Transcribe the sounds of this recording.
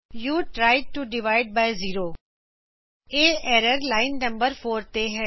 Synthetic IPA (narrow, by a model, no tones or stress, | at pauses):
juːʈɾaːɪʈuɖɪʋaːɪɖ̚baːɪziːɾoː | eːɛːɾəɾlaːɪnːɐ̃mbəɾfoːɾt̪eɦɛː